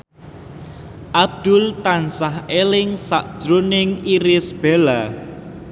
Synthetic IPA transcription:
ʔab̚d̪̥ʊlt̪ansaɦelɪŋsaʔd̥ʒ̥ɾonɪŋiɾɪsb̥ela

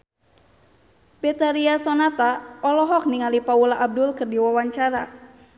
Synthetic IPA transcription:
bɛt̪aɾiasɔnat̪aɔlɔɦɔk̚niŋalipaulaʔːb̚dʊlkɨrdiwawaɲt͡ʃaɾa

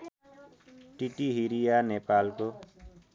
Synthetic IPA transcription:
ʈiʈiɦiɾijaːnepaːlko

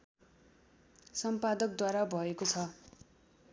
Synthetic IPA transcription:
sʌmpad̪ʌk̚d̪waɾabʱʌekot͡sʰʌ

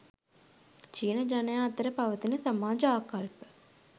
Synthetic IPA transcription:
t͡ʃiːnɐd͡ʒɐnɐjaːɐt̪ɐɾɐpɐʋɐt̪inɐsɐmaːd͡ʒɐaːkaɾipə̥

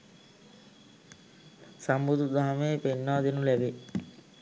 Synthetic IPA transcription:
sambud̪ud̪aɦameːpenːaːd̪enulɛbe

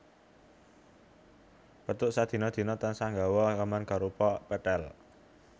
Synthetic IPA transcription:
pət̪ʊʔsad̪̥i̤nɔd̪̥i̤nɔt̪ansaŋɡawɔkəmankaɾupɔpɛʈ̪ɛl

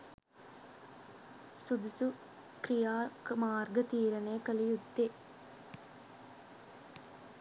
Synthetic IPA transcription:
sud̪usu | kɾijaːkmaːrɡət̪iːɾɐneːkəlijud̪ːe

